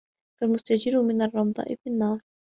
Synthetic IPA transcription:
falmʊst̪ad͡ʒɪɾʊmɪnarˤːɑmɑd̪ˤɑ̰ːʔɪfinːɑːɾˤ

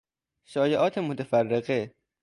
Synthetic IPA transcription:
ʃɒːjeʔɒːt̪ʰemot̪ʰefærːeɢe

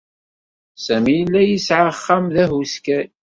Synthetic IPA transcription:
sæmijəlːæjəsʕaχːamðæɦuskæj

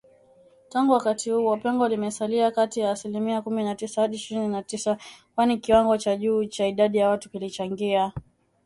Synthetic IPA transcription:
taŋɡuwakatihuːwapɛŋɡɔlimɛsaliakatijaːsilimiakuminatisahaɗiʃiɾininatisakwanikiwaŋɡɔt͡ʃaʄuːt͡ʃaiɗaɗijawatu̥kilit͡ʃaŋɡia

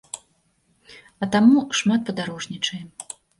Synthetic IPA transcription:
ɐt̪amuʂmat̪̚pɐd̪aɾɔʐnʲit͡ʂɐjɛ

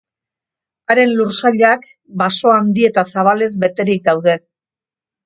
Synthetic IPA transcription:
aɾe̞nluɾsaʎak | baso̞and̪ie̞t̪asaβ̞ale̞zbe̞t̪e̞ɾik̚d̪awðe̞

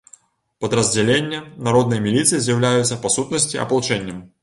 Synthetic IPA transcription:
pɐd̪ɾɐzʲd͡zʲɛlʲenʲːɐnaɾɔd̪̚nɨjɐmʲilʲit̪sɨjizʲjɐwlʲajut̪sɐpasut̪nɐsʲt͡sʲiɐ̰pɐlˠut͡ʂɛnʲːɐm

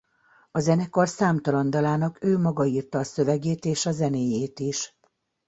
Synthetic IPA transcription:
ɒzɛnɛkorsaːmt̪ɒlɒnd̪ɒlaːnɒkøːmɒɡɒiːrt̪ɒːsø̞vɛɡeːt̪eːʃɒzɛneːjeːt̪iʃ

